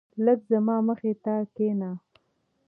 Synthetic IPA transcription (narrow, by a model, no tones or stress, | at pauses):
ləɡzamɑːməxet̪akena